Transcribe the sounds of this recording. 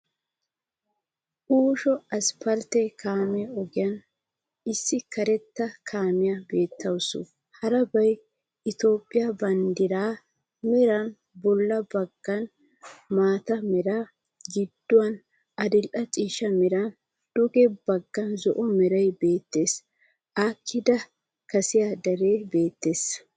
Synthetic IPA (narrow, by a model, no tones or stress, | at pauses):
ʔuːʃɔɐspʰɐɾt̪ɛkaːmɛɔɡɪjɐn | ɪsːɪkɐɾɛt̪ːɐkʰaːmɪjɐbe̞ːt̪ːɐwsʊ̰ | hɐɾɐbɐj | ʔɪt̪o̞ːpʼːɪjabɐnd̪ɪɾaː | mɛɾɐn | bɔlːɐbɐɡːɐn | maːt̪ɐmɛɾaː | ɡɪd̪ːʊwɐn | ʔɐd̪ɪlʔɐt͡ʃʼiːʃɐmɛɾan | d̪̥ʊɡɛbɐɡːɐnzɔʔɔmɛɾɐjbe̞ːt̪ːe̞ːs | ʔaːkʰːɪd̪ɐ | kɐsɪjad̪ɐɾe̞ːbe̞ːt̪ːe̞ːs